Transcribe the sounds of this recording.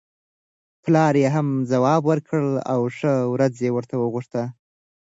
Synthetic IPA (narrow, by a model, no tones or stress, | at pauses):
plɑɾjeɦamzawɑbwəɾkʰəɭa̰wʂəwɾad͡zjewəɾt̪ʰawəɣuʂt̪a